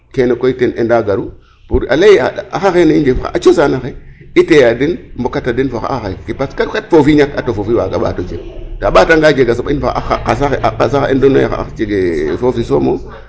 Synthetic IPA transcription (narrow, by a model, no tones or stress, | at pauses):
kenokoitenḛndaɡaɾu | puɾalejaaxaxenaind͡ʒefa̰ʔat͡ʃosanaxeitejadinmbokatadinfoxa̰axakipaskaketfofiɲakatofofiwa̰ɡa̰ɓa̰tod͡ʒeɡtaɓataŋɡaːd͡ʒeɡas̬oɓinfoxaasaxʔaasaendono̰ja̰xa̰a̰t͡ʃeɡefofisomo